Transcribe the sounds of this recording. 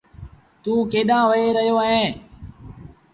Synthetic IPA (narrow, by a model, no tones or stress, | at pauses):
t̪ũːkeːɗãːʋəeːɾəɦijoːɦẽː